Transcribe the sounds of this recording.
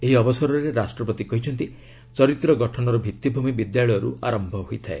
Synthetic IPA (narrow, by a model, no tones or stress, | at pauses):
eɦiɔbɔsɔɾɔɾeɾasʈɾɔpɔt̪ikɔɦit͡ʃʰɔnt̪i | t͡ʃɔɾit̪ɾɔɡɔʈʰɔnɔɾɔbʱit̪ːjibʱumibid̪jaɭɔjɔɾṵʔaɾɔmbʱɔɦojt̪ʰae